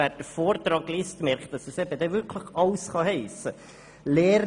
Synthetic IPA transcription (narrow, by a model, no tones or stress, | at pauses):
æːɾd̥əfoːrt̪rɑːɡliːstmɛɾktdɑsəsɛbəd̪ɛʋʏɾkʰləχɑlsχɑhɛɪsə | lɛːɾ